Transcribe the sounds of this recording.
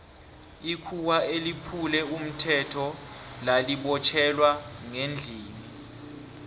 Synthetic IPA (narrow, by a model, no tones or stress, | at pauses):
ikʰuwaelipʰulɛum̩tʰɛtʰɔlaliɓɔt͡ʃʰɛlwaŋend͡ɮʱiːni